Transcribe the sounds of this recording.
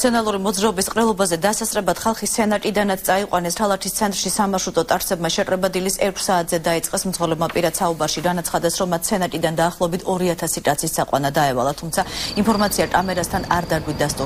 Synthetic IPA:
sʰɛnalˠuɾimɔd̪zɾaɔbisqʼɾɛlˠɔbazɛd̪asasɾɛbad̪̥χalˠχist̪sʰɛnat̪ʼid̪anat̪sʰt̪sʼaiqʼwanɛst̪ʰalˠat̪ʰist̪sʰɛnt̪ʼɾʃisamaʃut̪ʼɔt̪ʼaɾsɛbmaʃɛkʼɾɛbad̪ilisɛɾkʰsaːt̪ʰzɛd̪ait̪sʼqʼɛsmt̪zʁwɔlɛbmapʼiɾad̪saubaɾʃiɡanat̪sχad̪ɛsɾɔmːat̪ʰsʰɛnat̪ʼid̪and̪aːχlˠɔɛbit̪ʰɔɾiat̪ʰasit̪ʼat̪sʰissaqʼwa̰nad̪aɛva̰lˠat̪ʰumt̪sʰainpʰɔɾmat̪sʰiakʼamɛɾast̪ʰana̰ɾd̪aɡwit̪̚d̪ast̪ʼu

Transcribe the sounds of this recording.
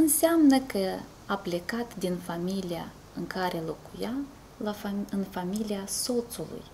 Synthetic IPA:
ɨnseamnəkə | aple̞kat̪d̪infamilia̰ | ɨŋkaɾe̞lo̞kuja | lafɨnfamiliaso̞t̪sulṵj

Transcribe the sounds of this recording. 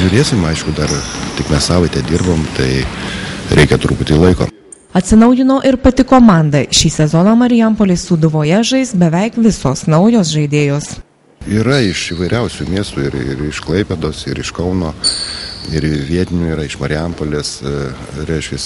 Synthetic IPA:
ʒʲʊɾʲeːsʲɪmɐɪʃkʊd̪ɐɾt̪ʲɪkmʲɛssɑːʋɐɪt̪ʲɛd̪ʲɪɾboːmt̪ɐɪ | ɾʲʔɛɪkʲɛt̪ɾuːpʊt̪ʲilˠɐɪko̰ː | ɐt̪ʲsʲɪnɒʊjɪnoːʔɪɾpɐt̪ʲɪkoːmɑˑnd̪ɐʃʲiːsʲɛzɔnɐmɐɾʲɪjɛmpoːlʲɪsud̪ʊʋoːjɛʒɐɪsbʲɛʋʲɛɪkʋʲɪsoːsnɐʊjoːsʒɐɪd̪ʲeːjoːs | iːɾɐɪʃiːʋɐɪɾʲɛʊsʲumʲiɛst̪uːɪɾɪ̰ɾɪʃklˠɐɪpʲed̪oːsɪɾɪʃkɐʊnoː | ɪɾʋʲiɛt̪ʲɪnʲuːiːɾɐɪʃmɐɾʲɪɛmpoːlʲeːs | ɾʲɛɪʃʲkʲɛs

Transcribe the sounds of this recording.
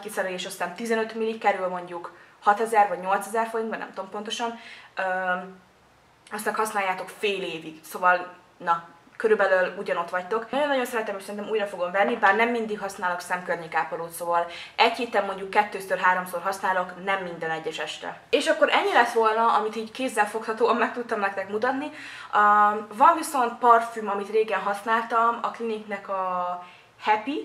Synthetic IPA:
kisɛɾɛleːʃɒst̪aːnt̪izɛnø̞t̪milːikkːɛɾylmo̞ɲɟukhɒt̪ɛzɛrvɒɟɲo̞lt̪sɛzɛrfo̞ɾind̪bɒnɛ̰mt̪oompo̞nt̪o̞ʃɒnøː | ɒst̪ɛkhɒsnaːjːaːt̪o̞kfeːleːviksoːvɒl | nɒ | køɾybɛløːluɟɒno̞t̪ʋɒct̪o̞k̪ɒɟjo̞nːɒɟo̞nsɛɾɛt̪ɛmhocsɛɾint̪ɛmuːjrɒfo̞ɡo̞mvɛnːibaːrnɛmːind̪ikɦɒsnaːloksɛmkørɲeːkaːpɒloːt̪soːvɒl | ɛcheːt̪ɛmːo̞ɲɟukːɛt̪ːøːsørɦaːɾo̞msorɦɒsnaːlo̞knɛmːind̪ɛnɛɟːɛʃɛʃt̪ɛ̰eːʃɒkːo̞ɾʔɛɲːilɛt̪ʋo̞lnɒɒmit̪iːɟkeːzːɛlfo̞khɒt̪oːɒmmɛk̚t̪ut̪ːɒmnɛkt̪ɛkmut̪ɒt̪ni | vɒɱviso̞nt̪̚pɒrfymɒmit̪reːɡɛnɦɒsnaːlt̪ɒmɒkliniknɛkɒ | hɛpi

